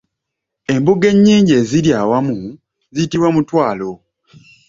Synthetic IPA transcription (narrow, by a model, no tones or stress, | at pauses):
e̞mbuɡe̞ɲːiːɲɟe̞ːziɾjawamu | zijitiβwamutwaːlo̞